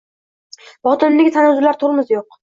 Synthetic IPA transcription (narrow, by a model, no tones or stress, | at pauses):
bɒt̪ɪnɪmeɡʲɪt̪ʰanazʊlaɾt̪ʰʊɾˠɪmɪzjoq